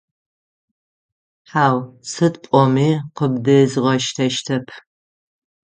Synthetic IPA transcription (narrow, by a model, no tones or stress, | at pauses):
ħaːwsɨtpʷʼɔmiːqəbdɨzʁɐʃtʰɐʃtʰɐpʰ